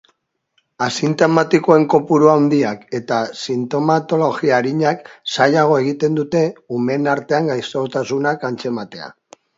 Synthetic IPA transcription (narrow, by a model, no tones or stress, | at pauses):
asint̪o̞mat̪iko̞e̞ŋko̞puɾuawnd̪iake̞t̪asint̪o̞mat̪o̞lo̞ɣiaɾiɲaksajaɣ̞o̞e̞ɣ̞it̪e̞nd̪ut̪e̞ume̞naɾt̪e̞aŋɡajsot̪asunakant͡se̞mat̪e̞a̰